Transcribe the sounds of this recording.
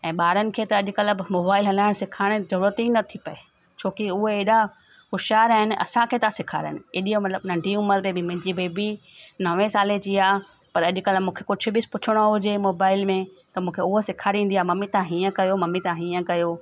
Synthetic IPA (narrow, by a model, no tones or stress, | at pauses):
ɛ̃ːɓaːɾənɪ̆kʰeːt̪ɐɐʄʊkɐləbmoːbaːɪlɦɐlaːɪɽ̃sɪkʰaːɽ̃d͡ʑɐɽət̪inɐt̪ʰipɐe | t͡ɕʰoːkiʊɦeeːɗa | xʊʃaːɾaːɦɪnɪ̆ʔɐ̰sãkʰeːt̪ãsɪkʰaːɾə̰nɪ̆ɪɗijõmɐt̪ləbnɐ̃ɳɖʱiuːməɾbẽbɪmɐ̃ɪ̃ɲd͡ʑibeːbinɐʋẽsaːled͡ʑiaː | pɐɾɐʄʊ̆kɐləmũːkʰekʊd͡ʑʱʊ̆bɪspʊt͡ɕʰɪɽ̃oɦʊd͡ʑemoːbaːɪlmẽ | t̪ɐmũːkʰeʊɦosɪkʰaːɾiĩːn̆d̪iaːmɐmit̪aãɦiːə̃kɐjomɐmit̪ãɦiːə̃kɐjoː